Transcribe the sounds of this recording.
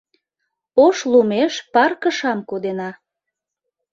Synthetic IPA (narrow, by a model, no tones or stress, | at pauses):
oʃlumeʃpɑrkəʃɑmkod̪enɑ